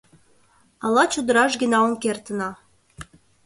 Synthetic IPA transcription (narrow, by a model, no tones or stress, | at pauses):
ɑlɑt͡ɕud̪əɾɑʃ̬ɡənɑonkert̪ə̆nɑ